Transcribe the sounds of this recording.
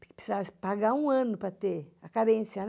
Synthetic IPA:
kɪpsizaspaɡaũɐ̃nʊpɾɐt̪eɐkaɾẽsjɐn

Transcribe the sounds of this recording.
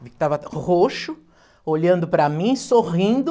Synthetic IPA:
vikɪ̥t̪avɐhoʃʊ | oʎɐ̃nd̪ʊpɾɐmĩsoʁĩd̪ʊ

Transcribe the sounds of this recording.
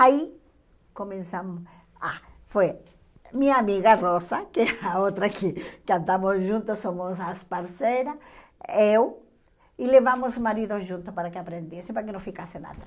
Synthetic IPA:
ai | komẽnsamʊ | afe | miɲɐːmiɣarɔsɐkɛaot̪ɾɐkʰɪkɪãnd̪amʊsʒũnt̪ʊsomʊsaspaɾsejɾɐ | ew | ɪleβamʊsmaɾiðoʒũnt̪ʊpaɾakɪapɾẽnd̪esɪẽpaɾak̬ɪnõw̃fikasena̰ð

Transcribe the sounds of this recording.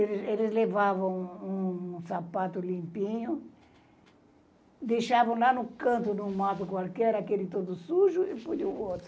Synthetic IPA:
elɪselɪzlevavɐ̃w̃ũsapat̪ʊlĩmpĩɲʊ | d̪ejʃavɐ̃w̃lanʊkɐ̃nt̪ʊnũmat̪ʊkwalkɛɾakelɪt̪od̪ʊsuʒʊɪpoluʊot̪ɾʊ

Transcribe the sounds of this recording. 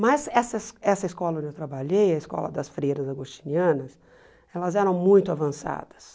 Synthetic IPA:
mɐzɛsɐsɛsɐɪskɔlɐõnd͡ʒewt̪ɾabaʎejɐɪskɔ̰lɐ̰d̪ɐsfɾejɾɐzaɡost͡ʃi̥niɐ̃nɐs | ɛlɐzɛɾɐ̃w̃mũj̃t̪ʊavɐ̃sa̰d̪ɐ̥s

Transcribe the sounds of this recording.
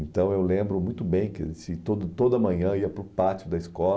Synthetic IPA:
ẽnt̪ɐ̃w̃ewlẽmbɾʊmũj̃t̪ʊbẽj̃kɪ̰sɪt̪od̪ʊt̪od̪ɐmɐ̃ɲɐ̃iɐpɾʊpat͡ʃiʊd̪ɐiskɔ

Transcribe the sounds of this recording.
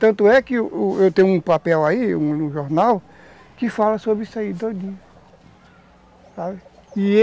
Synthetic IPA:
t̪ɐ̃nt̪ʊɛkɪʊʔʊewt̪ẽj̃ʊ̃ũpapɛwaiũũʒoɾnaw | kɪfalɐsobɾisaid̪od̪iɐ | sabɪɪ

